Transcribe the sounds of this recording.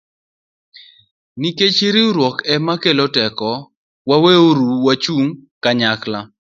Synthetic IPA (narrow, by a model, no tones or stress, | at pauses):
niket͡ʃiɾɪʊɾwɔkɛmakelotɛkɔ | waweoɾuwat͡ʃuŋkaɲakla